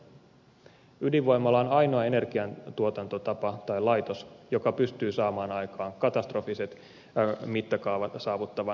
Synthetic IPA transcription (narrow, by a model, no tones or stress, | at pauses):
ydiʋʋo̞jmːɑlːɑonɑjno̞ɑe̞ne̞rkiɑnt̪uot̪ɑnt̪o̞t̪ɑpɑt̪ɑjlɑjt̪o̞sjo̞kɑpyst̪yːsɑːmɑːnɑjkɑːŋkɑt̪ɑst̪ro̞fise̞t̪ | mit̪ːɑkɑːʋɑt̪sɑːʋut̪ːɑʋɑ